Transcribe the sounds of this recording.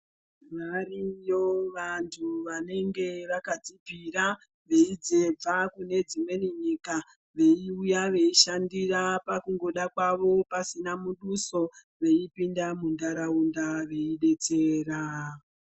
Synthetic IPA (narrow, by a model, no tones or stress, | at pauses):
ʋarijo̞ʋantʰuʋane̞ŋɡe̞ʋakad͡zibʱiɾa | ʋe̞id͡ze̞b͡vakune̞d͡zimwe̞niɲika | ʋe̞iujaʋe̞iʃandirapakuŋɡo̞ɗakwaʋo̞pasinamuɗuso̞ | ʋe̞ipindamundaɾaundaʋe̞iɗe̞t͡se̞ːra